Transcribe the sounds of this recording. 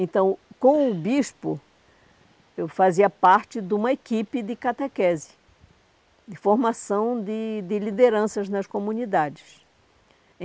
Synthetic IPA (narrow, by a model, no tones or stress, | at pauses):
ẽnt̪ɐ̃w̃kõw̃ʊbiʃpʊ | ewfaziɐpaɾt͡ʃɪd̪ũmɐekipɪd̪ɪkat̪ekɛzɪ̥ | d̪ɪfoɾmasɐ̃w̃d̪ɪd̪ɪlid̪eɾɐ̃sɐznɐskomũnid̪ad͡ʒ̪ɪs